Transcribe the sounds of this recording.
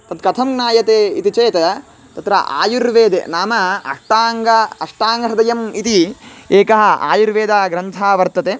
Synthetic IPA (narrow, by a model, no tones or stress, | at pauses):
t̪ɐd̪̚kɐt̪ʰɐmɡnaːjɐt̪eːit̪it͡ʃeːt̪ɐ | t̪ɐt̪ɾɐʔa̰ːjuɾʋeːd̪ḛnaːmɐɐʂʈaːŋɡɐɐʂʈaːŋɡɐɦɐd̪ɐjɐmit̪ieːkɐɦɐa̰ːjuɾʋeːd̪aːɡɾɐnt̪ʰaːʋɐɾt̪ɐt̪eː